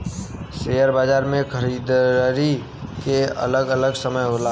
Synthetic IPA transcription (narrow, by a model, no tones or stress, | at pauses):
seːjəɾbaːd͡ʒaːɾmẽkʰəɾiːd̪ɾi | keə̰ləɡələɡsəməjɦoːla